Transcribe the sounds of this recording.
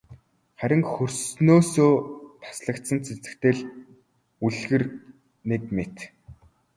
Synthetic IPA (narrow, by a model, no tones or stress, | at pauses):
χæɾʲɪ̆ŋxɵrsnoːsoːt̪ʰḁsɮə̆kt̪sə̆nt͡sʰen̥t͡sɘ̥̆kt̪eːɮ | uɮɣɘ̆r | nekmet̪